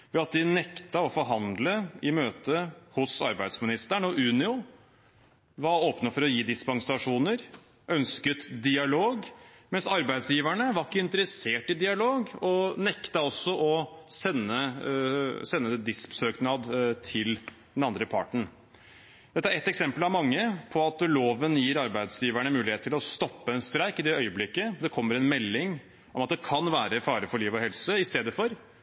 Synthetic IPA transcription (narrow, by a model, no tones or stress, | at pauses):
ʋɛɑt̪̚d̪ɪnɛkt̪ɑɔfɔɾɦɑnd̪ləɪmøːt̪əhʊsɑ̰ɾbæɪd̪smɪnɪst̪æɳəɔʔʉːnɪʊ | ʋɑɾoːpnəfɔɾɔjiːd̪ɪspɑŋsɑʂuːnəɾ | ʔœnskət̪d̪ɪɑloːɡmɛnsɑɾbæɪd̪sjiːʋæɳəʋɑɾkːəɪnt̪əɾəseːʈɪd̪ɪɑloːɡɔnɛkt̪ɑɔsːɔʔɔsɛnːə | sɛnːəd̪ɛd̪ɪspsøːknɑd̪t̪ʰɪl | d̪ɛnɑnd̪ɾəpʰɑ̰ʈɳ̩ | d̪ɛt̪ːəæɾɛt̪ːɛksɛmpəlɑʋmɑŋːəpʰɔɑt̪loːʋənjiːɾɑɾbæɪd̪sjiːʋæɳəmʉːlɪeːt̪ʰːɪlɔst̪ɔpːəɛnst̪ɾæɪkɪd̪ɛœʏəblɪkːəd̪ɛkʰɔmːəɾɛnmɛlːɪŋ | ʔɔmɑt̪̚d̪ɛkʰɑnʋæːɾəfɑːɾəfɔɭiːʋɔhɛlsəɪst̪eːd̪əfɔɾ